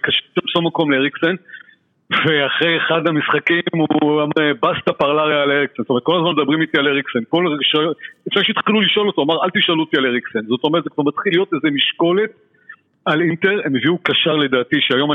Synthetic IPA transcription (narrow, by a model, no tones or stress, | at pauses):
kaʃetʃambsomːako̞mleeʁikso̞n | ve̞aχʁejeχad̪hamisχakimuamebast̪apaʁlaʁjaːleʁiksonstomet̚kolazmanmed̪abʁimit̪ialeʁikso̞nko̞lʃaefneʃetχiluliʃo̞lo̞t̪oamaʁalt̪iʃalut̪ialeʁiksenzo̞t̪o̞meʁtzekvaʁmat̪χilːijo̞t̪ezemiʃko̞le̞t̚ | alint̪e̞ʁemeviukaʃaʁle̞d̪aːt̪iʃeajo̞ma